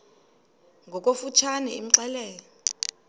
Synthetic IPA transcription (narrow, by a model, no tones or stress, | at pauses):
ŋɡʱɔk̬ʼofut͡ʃʰanɛḭm̩ǀɛlɛːjɔ